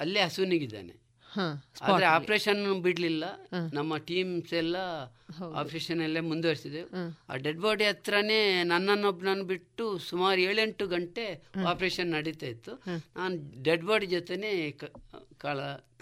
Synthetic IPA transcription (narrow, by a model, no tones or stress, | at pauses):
ɐlːiɦɐsuniɡid̪a̰ːnḛ | hasa̰ːd̪ɐɾeaːpɾeːʃɐnːbiɽlilːɐnɐmːɐʈiːmsɛlːɐ | a̰ːpɾeːʃɐnɐlːemund̪ʋɐɾsid̪ea̰ːɖeɖbaːɾɖɐt̪ɾɐne̞ːnɐnːɐnːobnɐnubiʈːusumaːɾueːɭeɳʈːuɡɐɳʈe̞aːpɾeːʃɐnːɐɽit̪aːjit̪ːunʔaːnuɖeɖbaːɖd͡ʒɔt̪ene̞ː | kaːɭɐ